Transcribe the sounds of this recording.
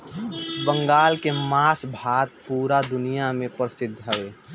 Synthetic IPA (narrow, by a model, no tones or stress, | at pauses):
bə̃ŋɡaːlkemaːsbʱaːt̪̚puːɾad̪ʊnijamẽpəɾsɪd̪ʱːɦəʋeː